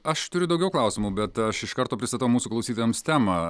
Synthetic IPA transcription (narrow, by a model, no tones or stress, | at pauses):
ɐʃt̪ʊɾʲʊd̪ɐʊɡʲɛʊklˠɑˑʊsʲɪmuːbʲɛt̪ɐʃɪʃkɐɾt̪oːpʲɾʲɪst̪ɐt̪ɐʋʊmuːsuːklˠɐʊsʲiːt̪oːjɛmst̪ʲæːmɑ